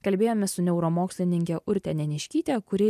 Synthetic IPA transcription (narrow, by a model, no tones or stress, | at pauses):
kɐlʲbʲeːjoːmʲɛsʊnʲɛʊɾomoːksʲlʲɪnʲɪŋʲkʲɛʔʊɾʲt̪ʲɛnʲɛnʲɪʃʲkʲiːt̪ʲɛkʊɾʲɪ